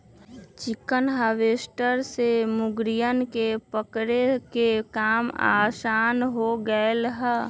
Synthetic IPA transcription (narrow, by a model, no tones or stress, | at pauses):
t͡ʃɪkənɦaʋeːsʈəɾsemʊɡɾijənkepəkɾekekaːma̰ːsaːnɦoɡəelɦɛ